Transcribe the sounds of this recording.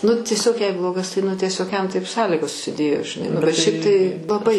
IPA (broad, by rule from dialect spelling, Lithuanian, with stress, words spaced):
nʊ tʲiɛˈsʲoːk jɛɪ ˈblˠoːɡɐs tɐɪ ˈnʊ tʲiɛˈsʲoːk jɛm tɐɪp ˈsɑːlʲiːɡoːs sʊsʲɪˈdʲeːjoː ʒʲɪˈnɐɪ nʊ bʲɛt ʃʲɛɪp tɐɪ lˠɐˈbɐɪ